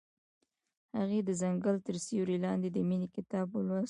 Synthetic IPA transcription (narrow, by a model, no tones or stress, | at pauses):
haɣed̪əzaŋɡəlt̪əɾsiwɾilɑnd̪ed̪əminekɪt̪ɑbəlwas